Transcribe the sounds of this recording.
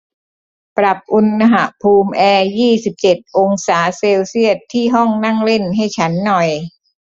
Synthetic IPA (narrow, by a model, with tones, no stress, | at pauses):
pɾa˨˩p̚ʔu˧nːa˧ɦa˨˩pʰuː˧mʔɛː˧jiː˥˩si˨˩p̚t͡ɕe˨˩t̪̚ʔo˧ŋsaː˩˦seː˧wsi˥˩ət̪ʰːiː˥˩ɦɔ˥˩ŋna˥˩ŋle˥˩nɦa˥˩jt͡ɕʰa˦˥nːɔ˨˩j